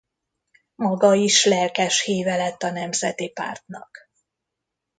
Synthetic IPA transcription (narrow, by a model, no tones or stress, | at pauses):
mɒɡɒiʃlɛlkɛʃheːvɛlɛt̪ːɒnɛmzɛt̪ipa̰ːrt̪nɒ̰k